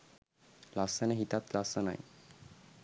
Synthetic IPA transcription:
lasəneɦit̪at̪lasəna̰j

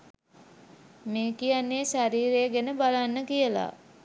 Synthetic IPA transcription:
meːkijanːeːʃaɾiːɾeɡenəbalanːəkijəla̰

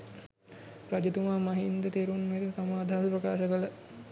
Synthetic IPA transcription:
ɾad͡ʒet̪umaːmaɦind̪ət̪eːɾunmet̪isamaːd̪ʱaɦaspɾəkaːʃəkələ

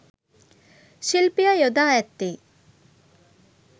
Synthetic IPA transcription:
ʃilpijajod̪aːɛt̪ːe

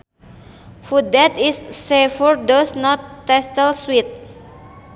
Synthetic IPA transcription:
fud̚ɛt̪isːefɔɹdɔsnɔt̪ːɛstəlswit̪̚

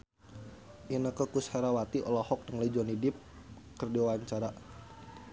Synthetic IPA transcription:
ʔinəkəkushaɾawat̪iʔɔ̰lɔhɔk̚dəŋləid͡ʒɔnidɪp̚ | kərdiawaɲt͡ʃaɾa

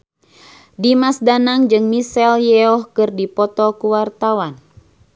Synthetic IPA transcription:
dimasdanaŋd͡ʒɨŋmisɛljɛɔhkɨrdipɔt̪ɔkuwart̪awan

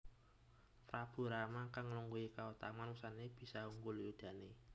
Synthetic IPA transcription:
t̪rab̥ṳɾamakaŋluŋɡuikaut̪amanusaneb̥i̤sauŋɡuliud̪̥a̤ne

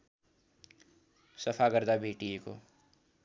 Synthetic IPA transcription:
səpʰaɡəɾd̪abʱeːʈieko̰

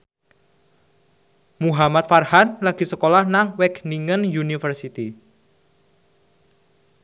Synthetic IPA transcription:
muɦamat̪̚farhanlaɡ̥i̤səkolahnaŋwɛkniŋənjunifərsit̪i

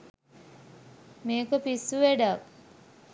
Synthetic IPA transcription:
meːkopisːuʋeɖak

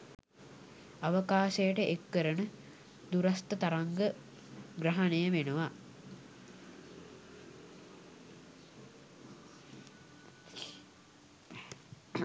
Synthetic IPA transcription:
aʋəkaːʃejəʈəʔekːəɾənə | d̪uɾast̪ət̪aɾaŋɡə | ɡrɐɦanejəʋenəʋa

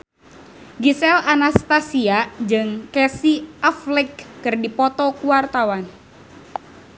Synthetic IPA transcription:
ɡisɛlanast̪asiad͡ʒɨŋkɛsiʔaflɛkːɨrdipɔt̪ɔkuwart̪awan

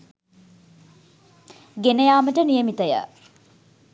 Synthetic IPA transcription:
ɡenəjaːməʈənijəmit̪əjə̰

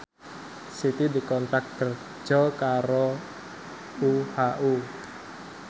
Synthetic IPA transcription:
sit̪idi̤kɔnt̪ak̚kər̥ | d͡ʒ̥ɔkaɾo | uhaʔu

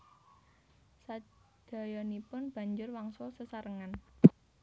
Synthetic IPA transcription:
sa | d̥a̤jɔnipʊnb̥ä̤ɲd͡ʒʊrwaŋsɔsəsaɾəŋan

